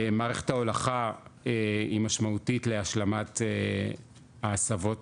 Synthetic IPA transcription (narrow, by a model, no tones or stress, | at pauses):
maːʁeχe̥thaolaχaeimaʃmautitle̞aʃlamate | aːsavo̞t